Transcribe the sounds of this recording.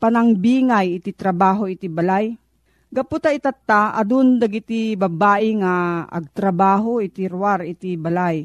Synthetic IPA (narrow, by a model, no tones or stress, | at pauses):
panaŋbiːŋajɪt̪it̪ɾɐbaːɦoɪt̪ibalaj | ɡaput̪ait̪at̪ːaʔad̪ʊnd̪aɡit̪ibɐbaːʔɪŋaɐ̰ɡ̚t̪ɾɐbaːɦoʔɪt̪iɾuwaɾɪt̪ibalaj